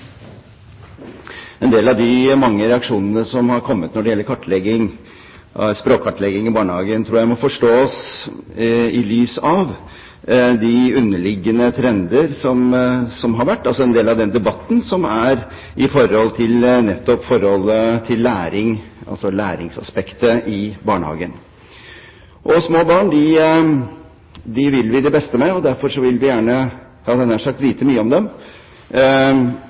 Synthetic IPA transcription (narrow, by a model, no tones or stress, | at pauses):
ɛnd̪eːlɑʋd̪ɪmɑŋːəɾɛɑkʂuːnənəsɔmhɑɾkʰɔmːət̪nɔɖɛjɛlːəɾkʰɑʈːlɛɡɪŋ | spɾoːkʰɑʈlɛɡɪŋɪbɑːɳəhɑːɡənt̪ʰɾuːjæɪmɔfɔʂʈoːs | ɪlyːsɑʋ | d̪ɪʉnːəɭɪɡːənət̪ʰɾɛnd̪əɾsɔmsɔmɦɑɾʋæʈːɑlsɔɛnd̪eːlɑʋd̪ɛnd̪ɛbɑt̪ːn̩sɔmæɾ | ʔɪfɔɾɔlːt̪ʰɪlnɛt̪ːɔpfɔɾhɔlːət̪ʰɪlːæːɾɪŋɑ̰lsɔlæːɾɪ̰ŋsɑ̰spɛkt̪əʔɪbɑːɳəhɑ̰ːɡən | ʔɔsmoːbɑːɳd̪ɪ | d̪ɪʋɪlʋɪd̪ɛbɛst̪əmɛɔd̪æɾfɔɾʂɔʋɪlʋɪjæːɳə | hɑːd̪ɛnəæʂɑk̚t̪ʋiːt̪ʰəmyːəɔmd̪ɛm